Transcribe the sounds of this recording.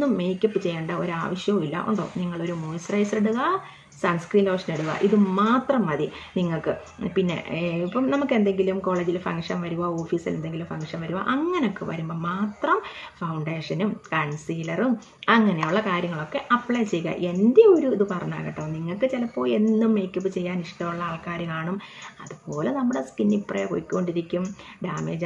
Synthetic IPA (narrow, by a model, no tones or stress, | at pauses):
nːumːejkʲːɐpːɨt͡ɕe̞jːɐːɳɖɐo̞ɾa̰ːʋɐɕjɐmilːɐ̰ʔo̰ɳɖo̰ːniŋːɐɭo̞ɾumojsrɐjseɽuɣɐ | sɐnskriːnɐʋɐʂɐneɽuɣɐ̰ʔiðɨmaːt̪rɐmːɐðiniŋːɐɭkɨ | pinːe̞̰ipːɐmnɐmukːe̞nd̪e̞ŋɡilumko̞ːɭeːd͡ʑilfɐŋkʂɐnʋɐɾuʋaoːfiːsilend̪e̞ŋɡilumfɐŋkʂɐnʋɐɾuʋa̰ʔɐŋːɐneokːḛʋɐ̰ɾumboːmaːt̪rɐmfɐwɳɖe̞ːʂɐnumkɐɳsiːlɐrum | ɐŋːɐnejuɭːɐkaːɾjɐŋːɐɭo̞kːe̞ʔɐpːɭɐjt͡ɕejɣɐ̰ʔe̞ndeo̞ɾuiðɨpɐrɐɲːa̰ːɣɐʈːɐʋɐniŋːɐɭkɨt͡ɕelɐpːo̞ːje̞nːumːeːkʲːupːɨt͡ɕe̞jːaːniʂʈɐmuɭːɐaːɭkaːɾjɐmaːɳumɐðupo̞ːlenɐmːuɽe̞skinːiprejko̰jikʲːukːo̞ɳɖiɾikʲːumɖaːmḛːd͡ʑ